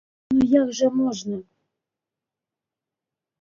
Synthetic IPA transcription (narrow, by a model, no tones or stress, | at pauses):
nujɑkʒɤ̆moʒnɤ̆